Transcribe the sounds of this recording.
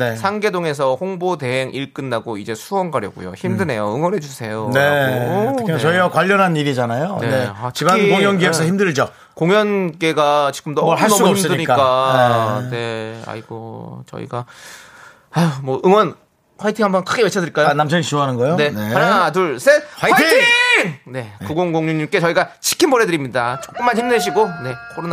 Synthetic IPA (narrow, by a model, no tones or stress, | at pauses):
ne̞sʰaŋɡe̞toŋe̞sʰʌɸoŋbote̞ɦeŋʔiɭk͈ɯnːaɡoid͡ʑe̞sʰuwʌnɡaɾjʌɡṵjo̰çimdɯne̞joɯŋwʌnɦe̞d͡ʑusʰe̞jone̞tʰt͡ɕʌiɡakwaʎːʌnɦaniɾid͡ʑanajoneneatʰibanikoŋjʌnɡiesʰʌçimdɯɭd͡ʑʌ | koŋjʌnke̞ɡat͡ɕi̥ɡɯmdoʌhassuimsdɯiɲik͈ak͈anene̞a̰iɡ̥o̰t͡ɕʌ̰ḭɡa | amʌʔɯŋwʌn | kʰwaitʰihambʌnkʰɯɡe̞we̞t͡ɕʰʌdɯiɭk͈ajonamt͡ɕʰʌɲit͡ɕuʌɦanɯnɡʌjone̞anat̬uɭs͈ewaitʰi | ne̞kɯɡoŋɡoŋɲuɲimk͈e̞t͡ɕʌiɡat͡ɕi̥kʰinboɾe̞dɯɾimɲidat͡ɕ͈ok͈ɯmːanhçimdɯɭɕ̬ʰiɡone̞kʰoɾona